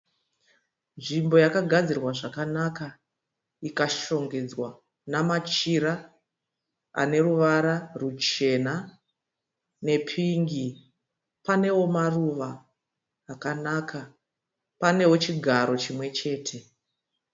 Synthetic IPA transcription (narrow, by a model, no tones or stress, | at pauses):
nʐimbo̞jakaɡʱad͡zirwaʐakanaka | ikaʃo̞ŋɡe̞d͡zwa | namat͡ʃiɾa | a̰ne̞ruʋaɾarut͡ʃe̞na | ne̞pʰiŋɡi | pane̞wo̞maruʋaː | kanakʰa | pane̞wo̞t͡ʃiɡʱaɾo̞t͡ʃimwe̞t͡ʃe̞ːtʰe̞